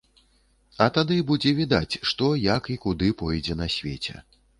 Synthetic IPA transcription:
ɐt̪ad̪ɨbud͡zʲɛvʲid̪at͡sʲʂt̪ɔjakikud̪ɨpɔjd͡zʲɛnɐsʲvʲḛt͡sʲɛ̰

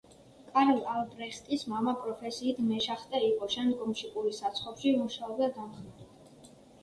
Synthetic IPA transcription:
kʼaɾlalbɾɛχt̪ʼismamapʼɾɔpʰɛsiːt̪ʰmɛʃaχt̪ʼɛiqʼɔʃɛnɡʼɔmʃikʼuɾisat̪sʰχɔpʃimuʃaɔbd̪ad̪amχ

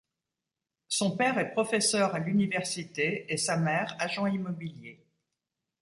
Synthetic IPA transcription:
sɔ̃pɛʁɛpχɔfɛsœʁalynivɛʁsit̪eːsamɛʁaʒɑ̃imɔbilje

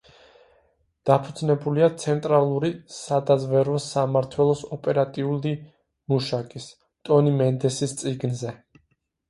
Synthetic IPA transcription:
d̪̥apʰud̪znɛbuliat̪sʰɛnt̪ʼɾalˠuɾisad̪azvɛɾɔsamaɾt̪ʰwɛlˠɔsɔpʼɛɾat̪ʼiuli | muʃakʼis | t̪ʼɔnimɛnd̪ɛsist̪sʼiɡnzɛ

